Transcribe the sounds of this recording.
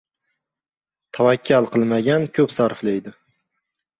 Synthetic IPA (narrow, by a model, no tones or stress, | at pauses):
t̪ʰavakʲʰːalˠqɨlˠmaɡʲankʲʰɵpsaɾflejd̪ɪ